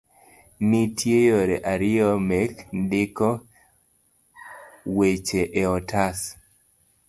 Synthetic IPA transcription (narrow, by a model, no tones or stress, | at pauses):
nitʰjejoɾeʔaɾɪɔmɛkndɪkɔ | wet͡ʃeʔeɔtʰas